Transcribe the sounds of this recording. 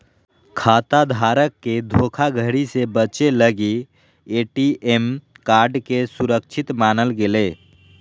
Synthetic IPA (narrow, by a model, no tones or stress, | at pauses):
kʰat̪ad̪ʱaɾəkːed̪ʱokʰaɡʱəɦɽisebət͡ʃeləɡi | eʈiemkaɾɖkesuɾək̚t͡ʃʰit̪manəlɡele